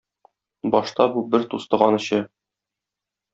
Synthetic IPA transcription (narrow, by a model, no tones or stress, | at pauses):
bɒʃt̪ɑbubɘɾt̪ust̪ɤ̆ʁɑnɤ̆ɕɤ